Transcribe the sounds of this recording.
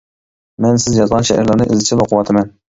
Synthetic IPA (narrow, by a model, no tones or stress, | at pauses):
mɛnsɪzjɑzʁɑnʃɛ̰hæ̰ɾlˠɨɾnɨʔɪ̰zlɪt͡ʃʰɪloqʰʊwɑt̪ʰɪmɛn